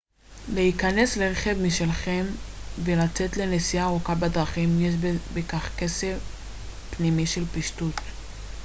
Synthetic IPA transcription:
leikane̞sle̞ʁeχe̞vmiʃelχe̞mvelat͡se̞tle̞nesiaːʁukabedʁaχimjeʃ̬bbekaχke̞sef | pnimiʃelpiʃtut

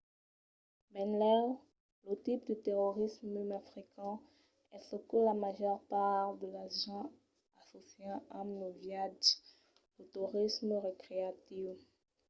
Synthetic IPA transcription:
mɛ̃nlɛʁ | lət̪ip̚d̪ət̪eʁoʁismmymafʁikɑ̃ | ɛsəkulamaʒœʁpaʁd̪əlaʒɑ̃ | asosjɑ̃amnovjad | lət̪uʁisməʁekχeat̪iv

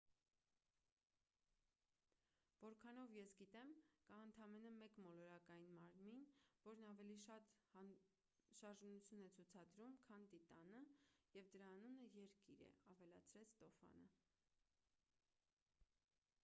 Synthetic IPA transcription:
vɔɾkʰɑnɔvjɛsɡit̪ɛmkɑənt̪ʰɑmɛnəmɛkmɔlɔɾɑkɑjinmɑɾminvɔɾnɑvɛliʃɑt̪ | ʃɑɾʒnut͡sʰjunɛt͡sʰut͡sʰɑd̪ɾumkʰɑnt̪it̪ɑnəjɛvd̪əɾɑːnunəjɛɾkiɾɛ̰ɑvɛlɑt͡sʰɾɛt͡sʰt̪ɔfɑ̰nə

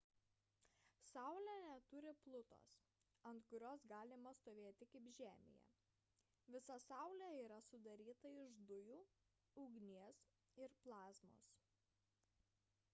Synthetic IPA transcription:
sɑˑʊlʲænʲɛt̪ʊɾʲɪplˠʊt̪o̰ːs | ɐnt̪kʊɾʲoːsɡɑːlʲɪmɐst̪oːʋʲeːt̪ʲɪkɐɪpʒʲæːmʲɪ̰jɛ̰ | ʋʲɪsɐsɑˑʊlʲæiːɾɐsʊd̪ɐɾʲiːt̪ɐɪʒd̪ʊjuː | ʊːɡnʲiɛs | ɪɾplˠɑːzmo̰ːs

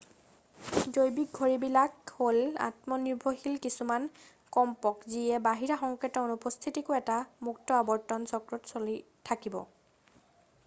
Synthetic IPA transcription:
zojbik̚ɡʱoɹibilakhola̰tmɔniɹbʱoxilkisuman | kɔmpɔkziɛbaɦiɹaxɔŋketɔnupɔst̪ʰitikʊɛtamuktɔabɔɹtɔnsɔkɹɔtsoli | tʰakibɔ̰

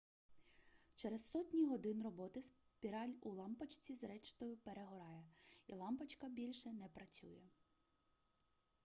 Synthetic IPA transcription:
t͡ʃɛɾɛzsɔtʲnʲiɦɔd̪ɪnrɔbɔt̪ɪs | pʲiɾɑlʲulˠɑmpɐt͡ʃt͡sʲizɾɛt͡ʃt̪ɔjʊpeɾeɦɔɾɑjɛilˠɑmpɐt͡ʃkɐbʲilʲʃɛnɛpɾɐt͡sʲṵjɛ

